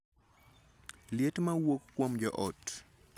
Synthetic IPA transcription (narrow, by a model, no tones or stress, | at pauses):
ljetmawokːwomd͡ʒɔʔɔt